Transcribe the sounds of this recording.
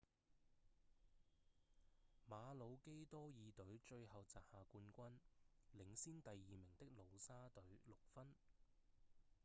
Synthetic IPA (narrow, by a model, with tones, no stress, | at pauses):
maː˨˧lo˨˧wke˥jt̪ɔː˥jiː˨t̪ɵ˨˥ɥt͡ʃɵ˧ɥɦɐ˨wt͡saː˨˩p̚haː˨kuː˧nkʷɐ˥nlɪ˨˥ŋsiː˥nt̪ɐ˨jːiː˨mɪ˨˩ŋt̪ɪ˥k̚lo˨˧wsaː˥t̪ɵ˨˥ɥlʊ˨k̚fɐ˥n